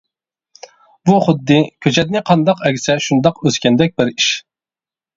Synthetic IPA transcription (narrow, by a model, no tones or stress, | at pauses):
buχʊd̪ːɨkʲʰøt͡ʃʰɛd̪̚nɪqʰɑnd̪ɑqɛkʲsɛʃund̪ɑqøzkʲɛnd̪ɛk̚ʲbɪɾiʃ